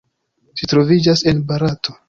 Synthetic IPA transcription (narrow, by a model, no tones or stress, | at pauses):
ʃitɾo̞vid͡ʒase̞nbaɾatʰo̞